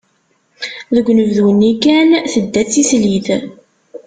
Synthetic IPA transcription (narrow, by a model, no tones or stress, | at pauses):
ðəɡʷnəvðunːikænθəd̪ːæt͡sːisliθ